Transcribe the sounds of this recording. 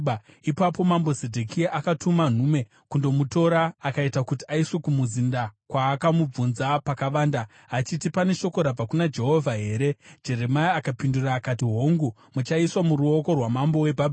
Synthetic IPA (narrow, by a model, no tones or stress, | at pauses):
ipapo̞mambozedʱokiaʔakatʰuman̤ume̞ | kundo̞muto̞ɾaːkaitakutiaiswe̞kumuzindakwaːkamub͡vunzapakaʋaːnda | ɦat͡ʃitipane̞ʃo̞ko̞ɾab͡vakunad͡ʒe̞ɦo̞vʱaɦe̞ːɾe̞d͡ʒe̞ɾe̞maiakapinduraːkatiɦo̞ŋɡu | mut͡ʃaiswamuɾuo̞ko̞rwamambo̞we̞bʱabʱ